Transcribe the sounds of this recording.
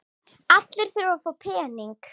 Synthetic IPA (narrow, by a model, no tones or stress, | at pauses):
at̪lɪɾ̥θɪɾvafoːpʰɛːniŋk